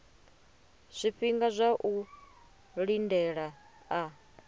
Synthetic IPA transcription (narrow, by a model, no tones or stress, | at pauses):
z̥ʷiɸiŋɡazʷaʔu | ɺindɛɺaː